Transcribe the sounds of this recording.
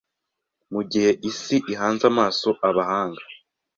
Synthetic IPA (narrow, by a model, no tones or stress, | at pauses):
muɟihe̞ʔisiʔiɦaːnzamaːso̞ʔaβahaːŋɡa